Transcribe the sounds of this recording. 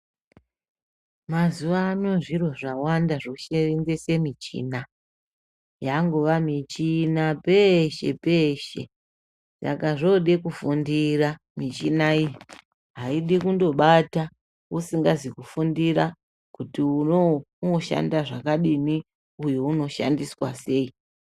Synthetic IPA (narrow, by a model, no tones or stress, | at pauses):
mazuʋaːnoʐiro̞ʐawandaʐoʃerind͡zese̞mit͡ʃḭna | jaŋɡoʋamit͡ʃinapeʃe̞̰pe̞ʃe̞̰ | sa̰kaʐoɗekufundira | mit͡ʃinaiji | ɦaiɗikundo̞ɓata | usiŋɡazikufundiɾa | kutiuno | uoʃa̰ndaʐakaɗimi | ujouno̞ʃa̰ndiswa̰se̞i